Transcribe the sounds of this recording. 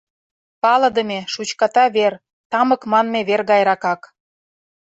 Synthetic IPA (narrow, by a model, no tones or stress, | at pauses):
pɑlɤ̆d̪ə̆mʲeʃut͡ɕkɑt̪ɑβer | t̪ɑmə̆kmɑnmeβerɣɑjɾɑkɑk